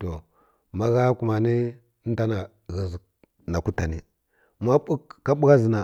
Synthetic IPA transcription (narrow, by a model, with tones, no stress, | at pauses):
to˨ | ma˦ɣa˦ku˨ma˨ni˦ | n˦ta˦na˨ | ɣi˨zi˨ | na˨ku˦ta˨ni˦ | ma˦ɓu˦kːa˦ɓu˦ɣa˦zi˨na˨